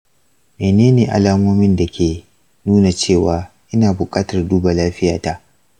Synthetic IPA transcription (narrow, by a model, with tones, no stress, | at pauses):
meː˨neː˦neː˨ʔa̰˨laː˦moː˦mɪ˦nda˨kʲʰeː˨ | nuː˦na˨t͡ʃeː˦˨waː˨ʔɪ˦naː˨bʊ˨kʼaː˦tɐ˨rduː˦ba˨laː˦ɸɪ˦jaː˨ta˦ʔ